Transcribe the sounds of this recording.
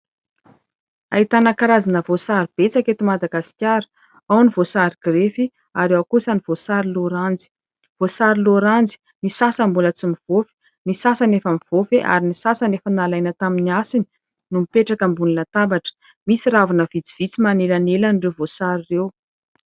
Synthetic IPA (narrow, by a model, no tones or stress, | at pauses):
a̰it̪anakaɾazanəvosaɾib̥et͡saket̪imad̪aɡasi̥kʲjaɾə̥ | awnivosaɾiɡ̥ɾefi | aɾewakusəniv̥osaɾiloɾand͡zi̥ | v̥osaɾiloɾand͡zi̥ | nisasəmbulət͡simiv̥ofe̥ | nisasanefəmiv̥ofeʔa̰ɾinisasanefənalajnət̪aminiasini̥ | numipeʈ͡ʂakəmbunilat̪abaʈ͡ʂə̥ | misiɾavunəvid͡zi̥v̥it͡simanelanelanɖ͡ʐevosaɾirew